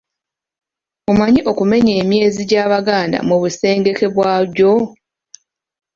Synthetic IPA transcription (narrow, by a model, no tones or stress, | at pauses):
umaɲiʔo̞kume̞ɲe̞ːmje̞ːziɟaːβaɡaːnda̰muβuse̞ːŋɡe̞ke̞βwaːɟo